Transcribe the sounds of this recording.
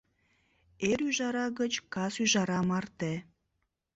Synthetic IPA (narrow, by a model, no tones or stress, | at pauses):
eɾyʒɑɾɑɣət͡ɕkɑsyʒɑɾɑmɑrt̪e